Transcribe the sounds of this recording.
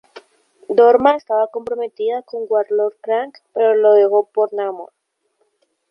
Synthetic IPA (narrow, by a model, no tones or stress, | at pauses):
d̪oɾmaest̪aβako̞mpɾomet̪iðako̞ŋɡwaɾloɾkɾaŋkpeɾoloðeɣo̞poɾnamo̰ɾ